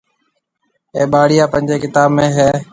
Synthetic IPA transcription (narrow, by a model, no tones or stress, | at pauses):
eːɓaːɽɪjaːpənʲd͡ʒeːkɪt̪aːbmẽːɦeː